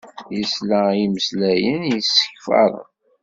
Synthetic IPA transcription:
jəslæjiməslæjənjəsːə̥çfɑ̰ɾˤə̰n

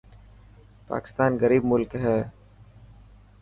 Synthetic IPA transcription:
pa̰ːkɪ̥st̪aːnɣəɾiːb̚mʊlkɦɛː

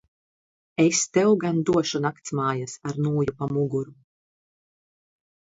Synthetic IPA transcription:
est̪ɛwɡand̪uɔʃunakt̪smaːjasaɾnuːjupamuɡuɾu

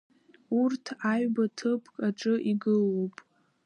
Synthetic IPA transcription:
urtʰaɥbatʰɨpʰkʼaʈ͡ʂʼɨʔiɡɨlopʼ

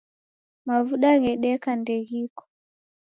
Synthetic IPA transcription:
mavuɗaɣɛɗɛkandɛɣikɔ̥

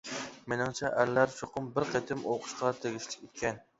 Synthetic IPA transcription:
menɪŋt͡ʃʰɛʔællːæɾʃoqʰʊmbɪɾqʰet̪ʰɪmoqʰʊ̥ʃqɑt̪ʰeɡʲiʃlɪkʲekʲʰɛn

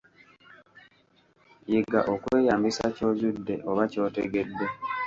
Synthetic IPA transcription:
jiɡa̰ʔokwe̞ːjaːmbisaco̞ːzudːe̞ʔoβaco̞ːtḛɡe̞dwe

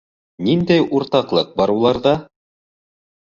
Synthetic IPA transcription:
nind̪æjuɾt̪ɑqlˠɤq̚bɑɾulˠɑɾðɑ

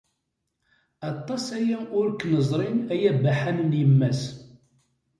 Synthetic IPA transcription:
ɑt̪ˤːɑsæjæʔʊɾknəzˤɾˤinæjæbːaħænnjəmːæs

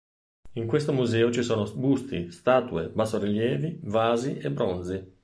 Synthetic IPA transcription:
iŋkwest̪omuzɛːot͡ʃisoːnobust̪ḭst̪aːt̪uebasoɾiljɛːvivaːziʔebːɾond̪zi

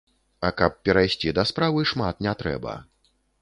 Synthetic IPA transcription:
ɐkɐp̚ːʲɛɾajsʲt͡sʲid̪ɐspɾavɨʂmat̪̚nʲɛt̪ɾɛ̰bɐ̰

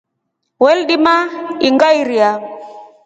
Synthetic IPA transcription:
wɛlɗimaiŋɡaiɾia

